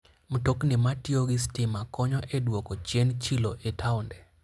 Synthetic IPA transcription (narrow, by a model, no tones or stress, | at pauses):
m̩toknɪmatioɡistɪmakɔɲɔʔedwɔkɔt͡ʃent͡ʃiloʔetʰaʊndɛ